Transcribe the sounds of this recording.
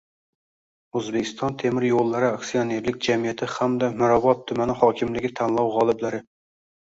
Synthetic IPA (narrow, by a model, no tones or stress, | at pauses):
øzbɪkʲʰi̥st̪ʰɑnt̪ʰemɪɾjolˠːɨɾɨɑkʲsijoneɾlɪkʲd͡ʒɛmijɛt̪ʰɪhæmd̪ɛmʊɾɑbɑt̪ʰːʊmɛnɪhɑːkʲʰɪmlɪɡʲit̪ʰɛnlˠɑwʁɑlˠɨblɪɾɪ